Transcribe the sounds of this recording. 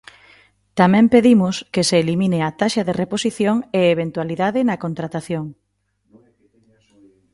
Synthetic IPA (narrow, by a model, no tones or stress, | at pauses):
t̪amɛ̃mpeðimʊskeseːlimineat̪aʃɐðereposiθjoŋeeβ̞ent̪waliðaðɪnɐkont̪ɾat̪aθjoŋ